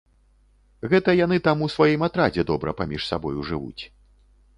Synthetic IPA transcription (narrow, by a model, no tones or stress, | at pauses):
ɣɛt̪ɐjan̪ɨt̪amusvajimat̪ɾad͡zʲɛd̪ɔbɾɐ̰pamʲiʂsa̰bɔ̰juʐɨvṵt͡sʲ